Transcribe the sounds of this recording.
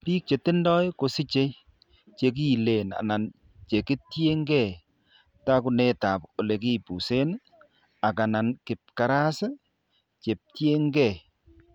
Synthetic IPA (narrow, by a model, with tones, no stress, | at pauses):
pi˦k̚t͡ʃe˨tɪ˦ndɔ˦jko˨sɪ˦t͡ʃe˦ | t͡ʃe˨k̬i˦˨le˨na̰˨na˨n | t͡ʃe˨kɪ˦tje˦ŋɡɛ˦˨ | ta˦k̬ʊ˨nɛ˦ta˨po˨le˨k̬i˦pu˨se˦n | a˨ka˨na˨nkɪ˨p̚ka˨ɾa˦s | t͡ʃe˨p̚tje˦ŋɡɛ˨